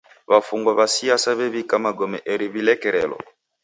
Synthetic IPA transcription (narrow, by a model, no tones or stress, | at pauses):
βafuŋɡwaβasiasaβɛβikamaɡɔmɛʔɛɾiβilɛkɛɾɛlɔ̰